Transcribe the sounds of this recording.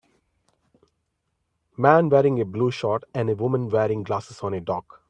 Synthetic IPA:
mæ̃ːnʋɛːɾɪ̃ŋebluːʃɔːʈɛ̃nɖeʋʊmə̃nʋɛːɾɪ̃ŋɡlaːsɪsɔ̃ːneɖɔːk

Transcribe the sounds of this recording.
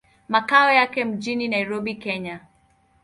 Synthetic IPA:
makaɔjakɛm̩ʄininaiɾɔɓikɛɲa

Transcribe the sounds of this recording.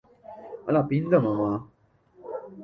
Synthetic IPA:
alapind̪əmama

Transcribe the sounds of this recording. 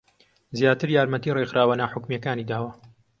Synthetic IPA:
zjaːt̪ɨɾjaːɾmɐt̪iːrexɾʔaːwɐnaħʊkmjɐkaːniːd̪aːwɐ

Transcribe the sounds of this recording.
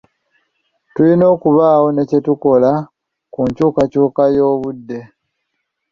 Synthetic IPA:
tulino̞ːkuβaːwo̞ne̞ce̞tuko̞la | kuɲcuːkacuːkajo̞ːβudːe̞

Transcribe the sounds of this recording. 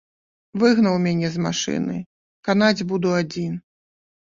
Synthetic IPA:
vɨɣnɐwmʲanʲɛzma̰ʂɨ̰nɨ̰ | kan̪ad͡zʲbud̪uad͡zʲin

